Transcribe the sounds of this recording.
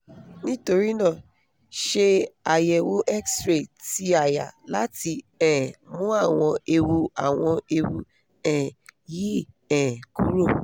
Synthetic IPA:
nĩ˦to˧ɾi˦nã˦˨ | ʃe˧a˨jɛ˨wo˦ʔɛ˦kstɾe˦˨ti˦a˦˨ja̰˨la˨˦ti˧ɛ̃˨mũ˦a˦˨w̃ɔ̃˧e˧wu˧a˦˨w̃ɔ̃˧e˧wu˧ | ɛ̃˦˨ji˦ | ɛ̃˨ku˦ɾo˦˨

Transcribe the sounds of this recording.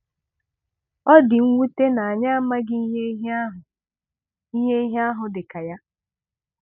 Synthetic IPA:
ɔ˦dɪ˨ŋ̩˦ŋʷu˦te˦na˨a˨ɲa˦a˦ma˦ɡɪ˦ɦe˦ɦɦʊ˨ | i˦ɦe˦i˦ɦe˦a˦ɦʊ˨dɪ˨ka˨ja˦

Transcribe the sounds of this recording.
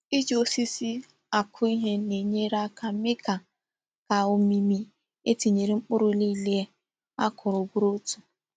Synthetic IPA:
i˦d͡ʒo˦si˦si˦ | a˨kʰʊ˦i˦ɦe˦ne˨ɲe˦ɾa˦kʰa˨˦mɪ˦ka˨ | ka˨o˨mi˦mi˦ | e˦ti˨ɲe˨ɾi˨˦ŋ͡m̩˦k͡pʊ˦ɾʊ˨˦li˦le˦e˦ | a˦kʰʊ˨ɾʊ˨ɡʊ˦ɾo˦tu̥˨

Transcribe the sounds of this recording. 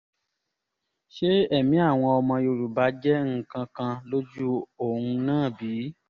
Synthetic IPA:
ʃe˦ɛ˦˨mĩ˨˦a˦˨w̃ɔ̃˧ɔ˧mã˧jo˧ɾu˨ba˨˦d͡ʒɛ˦ŋ̩˦˨kã˧kã˧lo˦d͡ʒu˦o˦˨hũ˧nãː˦˨biː˨˦

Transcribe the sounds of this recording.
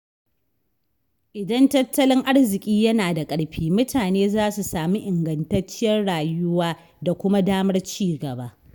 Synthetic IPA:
ʔɪ˨dɐ˦ntɐ˦tːɐ˦lɪ˦ŋʔa˦rzɪ˨kʲʼiː˦jɐ˦naː˨da˨kʼɐ˦ɽɸiː˦mʊ˦taː˨neː˦zaː˦su˨saː˨mi˦ʔɪ˨ŋɡɐ˨ntɐ˦t͡ʃːɪ˦jɐ˦rɽaː˨jʊ˦waː˦ | da˨kʷʊ˦ma˦daː˦mɐ˦rt͡ʃiː˦ɡɐ˨ba˦ʔ

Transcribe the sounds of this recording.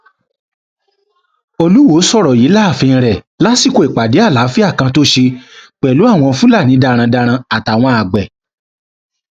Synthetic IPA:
o˧lu˦wo˨˦sɔ˦˨ɾɔ˨ji˨˦la˦˨fĩ˧ɾɛ˨ | la˦si˦˨ko˨e˨k͡pa˨de˨˦a˦˨la˨˦fi˦a˦˨kã˧to˦ʃe˧k͡pɛ˨lu˨˦a˦˨w̃ɔ̃˧fũ˦la˦˨nĩ˨˦da˧ɾ̃ã˧da˧ɾ̃ã˧a˨ta˨w̃ɔ̃˧a˨ɡ͡bɛ˨

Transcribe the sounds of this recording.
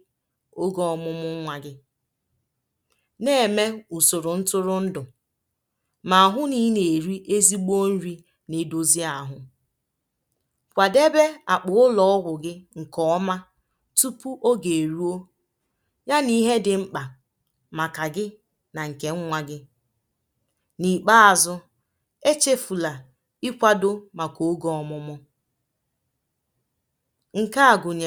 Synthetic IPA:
o˦ɡɔ˦ɔ˨mʊ˦mʊ˦ŋ̩˦ŋʷa˨ɡɪ˦ | ne˦˨e˨me˦u˨so˨ɾʊ˨n̩˦tʊ˦ɾʊ˦n̩˦dʊ˨ | ma˨a˨ɦʊ˦ni˦ne˨ɾi˦ʔe˦zi˦ɡ͡bo˦n̩˦ɾi˦ | ne˨do˦zi˦a˨ɦʊ˦ | kʷa˨de˦be˦a˨k͡pʊ˨ʊ˦lɔ˦ɔ˦ɦʊ˨ɡɪ˦ŋ̩˨kɔ˦ɔ˦ma˦ | tu˦pu˦ʔo˦ɡe˨e˨ɾu˦o˦ | ɲa˦ni˦ɦe˦dɪ˨ŋ͡m̩˦k͡pa˨ | ma˨ka˨ɡɪ˦ | na˨ŋ̩˨ke˨ŋ̩˦ŋʷa˦ɡɪ˦ | ni˨k͡pa˦a˨zʊ˦ | e˦t͡ʃe˦fu˨la˨ | i˦kʷa˦do˦ma˨ko˨o˦ɡɔ˦ɔ˨mʊ˦mʊ˦ | ŋ̩˨ka˦a˨ɡʊ˨ɲa˨

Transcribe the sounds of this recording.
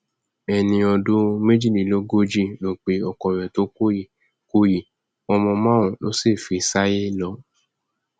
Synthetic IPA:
ɛ˨nĩ˧ɔ˧do˦me˦d͡ʒi˦˨li˨lo˦ɡo˦d͡ʒi˦˨lo˨k͡pe˨ɔ˨kɔ˨ɾ̃ɛ̃˨to˦ko˦i˨ | ko˦ji˨ | ɔ˧mɔ̃˧mã˦wõ˨lo̰˦si˦˨fi˨˧sa˦je˦lɔ˧˦

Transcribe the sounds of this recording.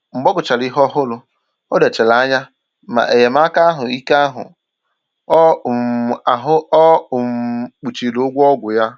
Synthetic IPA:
ŋ͡m̩˨ɡ͡bɔ˦ɡʊ˨t͡ʃa˨li˦ɦɔ˦ɦʊ˦lʊ˨ | ɔ˦de˨t͡ʃe˨la˨a˦ɲa˦ | ma̰˨ʔe˨je˨m˦a˦ka˦a˦ɦʊ˨i˦ka˦a˦ɦʊ̰˨˦˨ | a˨ɦʊ˦ɔ˦˨m̩˨k͡pu˨t͡ʃi˨lo˦ɡʷɔ˦ɡʷʊ˨ja˦

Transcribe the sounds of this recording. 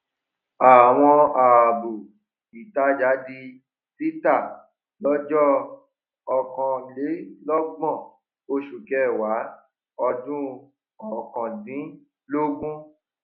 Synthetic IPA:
a˨w̃ɔ̃˧a˨bo˨ | i˨ta˨˦d͡ʒa˨˦di˧ | si˦ta˦˨ | lɔ˨˦d͡ʒɔ˦ | ɔ˨kɔ̃˨le˨˦lɔ˦ɡ͡bɔ̃˦˨ | o˧ʃu˨kɛ˨˦˨wa˨˦ | ɔ˧dũ˦ | ɔ˦˨kã˨dĩ˨˦ | lo˦ɡũ˦

